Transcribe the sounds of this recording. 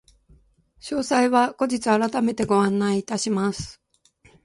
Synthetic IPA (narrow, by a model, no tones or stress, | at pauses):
ɕo̞ːsaiβako̞d͡ʑit͡sɨaɾat̪ame̞t̪e̞ɡo̞ãnːaiːt̪aɕimasɨ̥